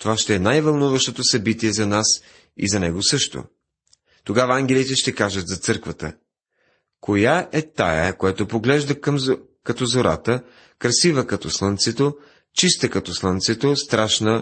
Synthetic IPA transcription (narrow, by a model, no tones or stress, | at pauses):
t̪ovaʃt̪ɛɛnajvɐlˠnuvəʃt̪ot̪osɐbit̪iɛzɐnas | ḭzɐnɛɡosɤʃt̪o̰ | t̪oɡavɐaŋɡʲɛlit̪ɛʃt̪ɛkaʒət̪zɐt̪sɤɾkvɐt̪ə̰ | kojaʔɛt̪a̰jəkojɛt̪opoɡlɛʒd̪əkm | kɐt̪ɔzoɾa̰t̪ə | kɾɐsivəkɐt̪ɔslˠənt̪sɛt̪o | t͡ʃist̪əkɐt̪ɔslˠant̪sɛt̪ost̪ɾaʃnə